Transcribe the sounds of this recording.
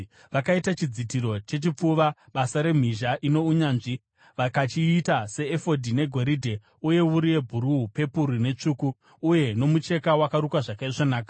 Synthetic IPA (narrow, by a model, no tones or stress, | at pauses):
ʋakaitat͡ʃid͡zitiɾo̞t͡ʃe̞t͡ʃip͡fuʋaɓasaɾe̞m̤iʒaʔino̞uɲaːnʐi | ʋakat͡ʃiːtase̞ːfo̞dʱine̞ɡʱo̞ɾidʱe̞ | uje̞uɾijebʱuɾuupe̞puɾune̞t͡ʂuːkuː | je̞no̞mut͡ʃe̞kawakaɾukwaʐakaiʐonaːka